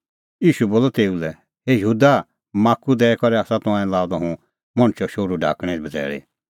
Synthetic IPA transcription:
iːʃuboːlɔt̪eːulɛ | ɦejəɦuːd̪a | maːkːud̪ɛːɛkɔɾɛaːsat̪ʊ̃ãːɛ̃laːd̪ɔɦũ | mɔ̃ñt͡ʃɔʃoːɽuɖʱa̰ːkɽ̃ɛ̃bɐd͡zɛ̰ːɭḛ

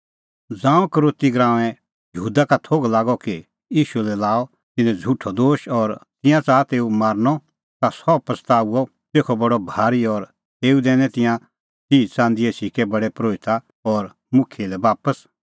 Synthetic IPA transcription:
d͡zãːũkəɾoːt̪iɡɾãːʋɛ̃ | jəɦuːd̪akat̪ʰoːɡlaːɡɔki | jiːʃulɛlaːɔ | t̪ɪnɛ̃d͡zʱuʈʰɔd̪oːʃɔɾt̪ɪ̃jãt͡saːt̪eːumaːɾnɔ | t̪asɔpɾəst̪aːuɔ | teːkʰɔbɐɽɔbʱaːɾiɔɾ | t̪eːud̪ɛːñɛ̃t̪ɪ̃jã | t͡siːt͡sãːnd̪iesikɛbɐɽɛpɾoːɪt̪a | ɔɾ | mʊkʰːelɛbaːpəs

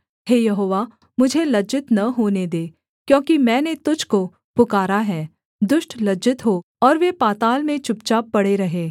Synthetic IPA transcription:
heːjɐɦoːʋa | mʊd͡ʒʱelɐd͡ʒɪt̪nɐɦoːned̪eː | kjõːkimɛ̃ːnet̪ʊd͡ʒʱko | pʊkaːɾaɦɛː | d̪ʊʃʈlɐd͡ʒɪt̪ɦoː | ɔːɾʋepaːt̪aːlmẽt͡ʃʊp̚t͡ʃapɐɽeɾɐɦeː

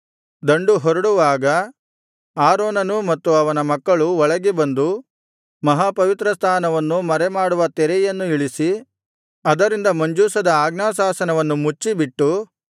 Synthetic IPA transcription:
d̪ɐɳɖuɦɔɾɐɽuʋaːɡɐ | aːɾoːnɐnumɐt̪ːuɐʋɐnɐmɐkːɐɭuɔɭɐɡebɐnd̪u | mɐɦapɐʋit̪ɾɐst̪ʰaːnɐʋɐnːumɐɾɛmaːɽuʋɐt̪ɛɾɛjɐnːuiɭisi | ɐd̪ɐɾind̪ɐmɐɲd͡ʒuːsɐd̪ɐaːɡnaːsaːsɐnɐʋɐnːumut͡ʃːibiʈːu

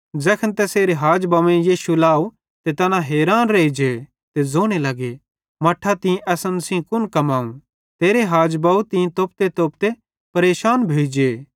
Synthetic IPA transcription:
d͡ʒɛːkʰənt̪ɛseːɾeɦaːd͡ʒbɐʋẽjiːʃulaːu | t̪et̪ɐnãɦeːɾaːnɾeːid͡ʒe | t̪ezoːɽ̃elɐɡe | mɐʈʰːat̪ɪ̃ʔɛsənsĩkʊnkɐmaːũ | t̪eːɾeɦaːd͡ʒbaut̪ĩt̪oːp̚t̪et̪oːp̚t̪e | pɐɾeːʃaːnbʱeːd͡ʒeː

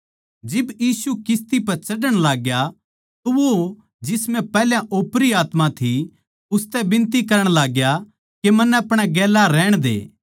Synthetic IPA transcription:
d͡ʒɪbjiːsukɪst̪ipɐɾt͡ʃɐɖəɽ̃laːɡja | t̪oʋo | d͡ʒɪsmɛ̃pɛːljãʔoːpɾiaːt̪mãt̪ʰi | ʊst̪ɛbɪ̃nt̪̬ikɐɾəɽ̃laːɡja | kemɐnːɛɐpɽ̃aɡɛːlaɾɛːɽ̃d̪ḛː

